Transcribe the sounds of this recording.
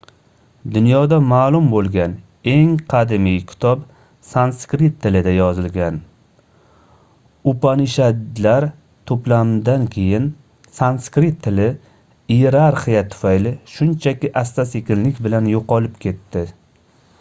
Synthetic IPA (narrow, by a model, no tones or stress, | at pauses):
d̪ʊnjɒd̪amaːlˠʊmbolˠɡʲan | e̞ŋqʰɑd̪ɪmijkʲʰɪ̥t̪ʰɒp | sanskɾit̪ʰːɪlɪd̪ajɒzɪlɡʲan | ʊpanɪʃalaɾ | t̪ʰoplamd̪ankʲʰe̞jɪn | sanskɾit̪ʰːɪlɪ | ijeɾaɾχijat̪ʰʊ̥fajlɪʃʊnt͡ʃʰakʲɪʔast̪asekʲɪllɪkʲbɪlanjoqɒlɪp̚kʲʰe̞t̪ːɪ